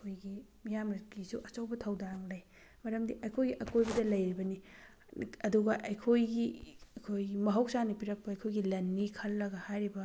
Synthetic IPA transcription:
kʰojɡimijamɾɐkisuʔɐt͡ʃɐwbɐtʰɐwdaŋlɐj | mɐɾɐmdiʔɐjkʰojɡiʔɐkojbɐdɐlɐjɾibɐni | ɐduɡɐʔɐjkʰojɡiɐkʰojɡimɐɦɐwsanipiɾɐk̚pɐɐjkʰojɡilɐnːikʰɐlːɐɡɐhajɾibɐ

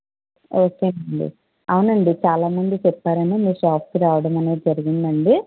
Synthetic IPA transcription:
o̞ːkeɐɳɖḭ | ɐwunɐɳɖit͡ʃaːlaːmɐnd̪ut͡ʃɛpːaːɾɐnimiːɾʂaːp̚ʰkiɾaːʋɐɽɐmɐne̞ːd͡ʒɐɾiɡind̪ɐɳɖi

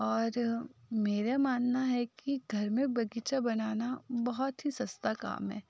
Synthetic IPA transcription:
ɔːɾmeːɾamaːnnaɦɛkiɡʱɐɾmẽbɐɡit͡ʃabɐnaːnabɐɦɔt̪ɦisɐst̪aka̰ːmɦɛː

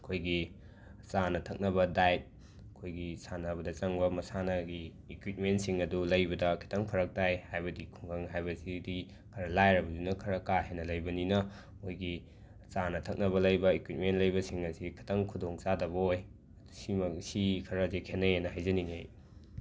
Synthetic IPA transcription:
ɐkʰojɡi | t͡ʃanɐtʰɐk̚nɐbɐdajt̚ | ɐkʰojɡisanɐbɐdɐt͡ʃɐŋbɐmɐsanɐɡi | ekwit̚mentsiŋɐdulɐjbɐdɐkʰi̥tʰɐŋpʰɐɾɐk̚tajhajbɐdikʰuŋkʰɐŋɦajbɐsidi | kʰɐɾɐlajɾɐbɐdinɐkʰɐɾɐkaɦenːɐlɐjbɐninɐ | mojɡi | t͡ʃanɐtʰɐk̚nɐβɐlɐjbɐekwit̚mentlɐjbɐsiŋɐsikʰi̥tʰɐŋkʰudoŋt͡ʃadɐβɐoj | ɐdusimɐksikʰɐɾɐzekʰenɐjenɐhajzɐniniḛj

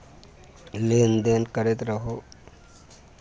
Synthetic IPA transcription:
lend̪enkəɾet̪ɾəɦo

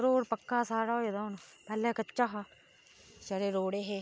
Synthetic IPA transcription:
ɾoːɽpəkːaːsaːɽaːoːed̪aːʊnːpɛːleːkət͡ʃːʃaːɦaː | t͡ʃəɾeːɾoːɽeːɦeː

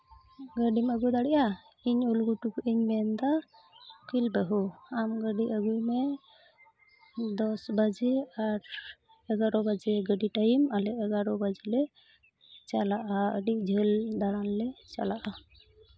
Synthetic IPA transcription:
ɡəɖimaɡujd̪aɽɛʔa | iɲulɡuʈukiɲmɛnd̪a | kilbəɦuamɡəɖiʔəɡujmɛ | d̪ɔsbad͡ʒiaɾ | ɛɡaɾɔbad͡ʒɛɡəɖiʈajimalɛəɡaɾɔbad͡ʒilɛ | t͡ʃalaʔaə̰ɖid͡ʒʱəld̪aɾanlɛt͡ʃa̰laʔa

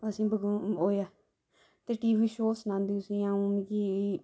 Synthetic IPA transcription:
əsĩːbəɡoːjaː | t̪eːʈiːʋiːʃoːsnãːnd̪iʊsĩaːũniki

